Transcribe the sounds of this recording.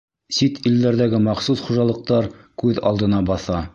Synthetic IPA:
sit̪ild̪æɾðæɡɘmɑχsusχuʒɑlˠɤ̆q̚t̪ɑɾkʉðɑ̰lˠd̪ɤ̆nɑbɑθɑ

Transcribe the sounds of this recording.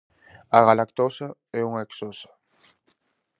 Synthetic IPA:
aɣalakt̪osaɛuŋeksosḁ

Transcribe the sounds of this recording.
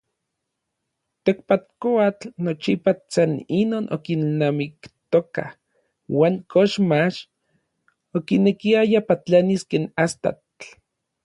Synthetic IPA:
t̪ekpat̪̚koat͡ɬnot͡ʃipat͡saninoːnʔo̰kinnamikt̪oka̰h | waːŋkʰoʃmaʃ | okinekiajapat͡ɬaniskeːnast̪a̰t

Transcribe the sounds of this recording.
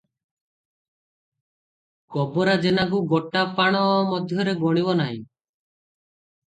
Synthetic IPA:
kɔbɔɾad͡ʒenak̬uɡɔʈapaɽ̃ɔmɔd̪ʱjɔɾeɡɔɽ̃ibɔnaɦḭ̃

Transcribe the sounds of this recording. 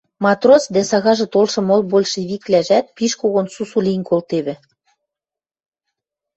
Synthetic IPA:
mɑt̪rosd̪æsɑɣɑʒɤ̆t̪olʃɤ̆molbolʲʃĕβiklæʒæt̪̚piʃkoɣonsusulʲinkolt̪eβɘ̆

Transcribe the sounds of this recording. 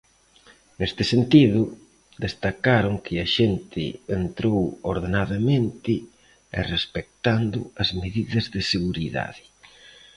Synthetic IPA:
nest̪ɪsent̪iðʊ | d̪est̪akaɾʊŋkʰɪɐʃent̪ʰɪ̰ent̪ɾowoɾðenaðɐmẽnt̪ɪ | ḛrespek̚t̪and̪ʊ̰ɐzmeðiðɐzðɪseɣuɾiða̰ðɪ

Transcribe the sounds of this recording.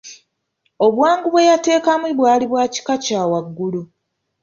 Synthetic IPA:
o̞βwaːŋɡuβwe̞jate̞ːkamiβwaːliβwaːci̥kacaːwaɡːulu

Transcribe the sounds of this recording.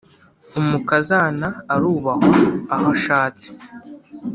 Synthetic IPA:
umukazanaːɾuːβahoahaʃaːt͡si̥

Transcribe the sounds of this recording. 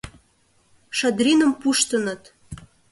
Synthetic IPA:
ʃɑd̪rinəmpuʃt̪ənə̆t̪

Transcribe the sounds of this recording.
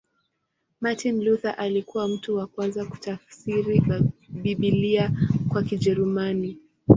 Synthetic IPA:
matinluθaʔalikuwam̩tuwakwanzaku̥tafsiɾiɓiɓiliakwakiʄɛɾumani

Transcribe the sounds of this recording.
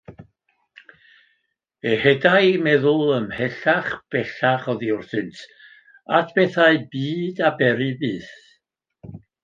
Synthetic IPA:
ehɛdajmɛðʊlˠəmhɛɬaχb̥ɛɬaχɔðiʊrθɨntʰ | atʰb̥ɛθaɨbiːdabɛɾɨbɨːθ

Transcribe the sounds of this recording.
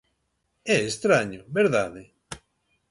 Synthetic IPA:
ɛest̪ɾaɲobeɾðaðe

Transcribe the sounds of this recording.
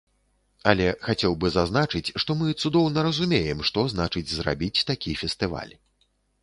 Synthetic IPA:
alʲɛxat͡sʲɛwbɨzaznat͡ʂɨt͡sʲʂt̪ɔmɨt̪sud̪ɔwnɐɾɐzumʲejɛmʂt̪ɔzn̪at͡ʂɨd͡zʲzra̰bʲit͡sʲt̪akʲifʲɛst̪ɨva̰lʲ

